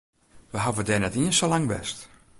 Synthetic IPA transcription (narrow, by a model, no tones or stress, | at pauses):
ʋəɦavədɛnɛtiənsolaŋʋɛ̰st